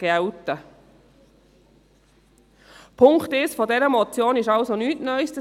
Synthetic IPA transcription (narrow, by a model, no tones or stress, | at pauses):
ɡ̥ɛwtə | pʰʊŋktɪsfɔdɛɾəmɔt͡sjoːnɪʃɑwsonyːtnœʏstə